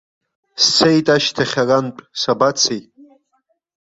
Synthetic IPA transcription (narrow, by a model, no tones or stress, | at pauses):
st͡sʰejtʼaʃtʰaχʲarant͡pʷʼsabat͡sʰej